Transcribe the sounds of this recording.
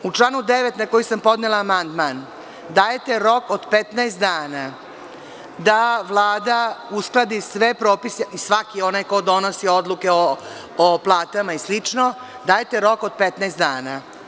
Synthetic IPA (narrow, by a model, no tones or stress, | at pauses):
ut͡ʂlˠaːnud̪eʋet̪nako̞jisampo̞d̪nelˠaːmand̪man | d̪aːjet̪eɾo̞kod̪pet̪naest̪d̪aːna | d̪aʋlˠaːd̪ausklˠad̪isʋe̞pɾoːpiseʔisʋakio̞najkod̪o̞nosio̞d̪lukeo | oplˠaːt̪amaislit͡ʂno̞ | d̪aːjet̪eɾo̞kod̪̚pet̪naest̪d̪aːna